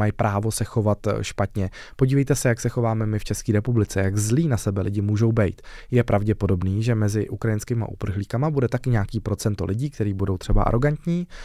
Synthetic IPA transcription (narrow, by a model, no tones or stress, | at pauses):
ajpɾʔaːvo̞sɛxo̞vat̪ʃpat̪ɲɛ | po̞ɟiːvɛjt̪ɛsɛjaksɛxo̞vaːmɛmɪft͡ʃɛskiːɾɛpublɪt͡sɛjaɡzliːnasɛbɛlɪɟɪmuːʒo̞wbɛjt̪jɛpɾʔavɟɛpo̞do̞bniːʒɛmɛzɪʔukɾajɪnskɪma̰ʔṵpr̩xliːkamabudɛt̪akɪɲaːkiːpɾo̞t͡sɛnt̪o̞̰lɪɟiːk̚t̪ɛɾiːbudo̞wt̪r̥ɛba̰ʔa̰ɾo̞ɡant̪ɲiː